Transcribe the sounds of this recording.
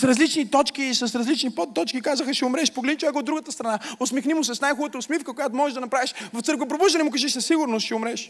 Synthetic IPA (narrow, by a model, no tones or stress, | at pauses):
sɾɐzlit͡ʃnit̪ɔt͡ʃkisɐsɾɐzlit͡ʃnipɔt̪ːɔt͡ʃkikazəxəʃɛʊmɾɛʃpoɡlɛd̪it͡ʃovɛkod̪ɾuɡət̪əst̪ɾɐnaʊsmɛxnimʊsɛsnajxubət̪əʊsmifkəkojat̪ʊmɔʒɛʒd̪ɐnɐpɾaviʃvɐft̪ɤɾkvəp̬ɾobuʒd̪ɐnɛmʊkaʒɛʃsɐsːiɡʊɾnost̪ʃɛʊmɾɛʃ